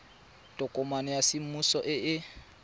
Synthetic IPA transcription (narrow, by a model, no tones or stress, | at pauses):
tʼɔkʼɔmanɛjasɪm̩musɔʔɪɪ